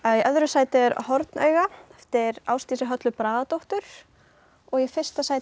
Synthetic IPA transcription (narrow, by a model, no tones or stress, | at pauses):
aiʔœðɾʏsaːjt̪ɪɾhɔɾt̪nʔœ̰ːɥɣaft̪ɪɾawst̪iːsɪɦœt̪lʏpɾaːðat̪ɔwht̪ʏɾ̥ | ɔɣjɛfɪr̥st̪asaːj